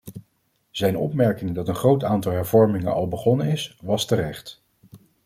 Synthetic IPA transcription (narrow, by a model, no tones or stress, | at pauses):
z̥ɛjnɔ̰pmɛɹkɪŋdɑtənχrowtaːntɑlˠɦɛɹv̥ɔɹmɪŋənʔɑ̰lˠbəχɔnənɪsʋɑstəɾɛχt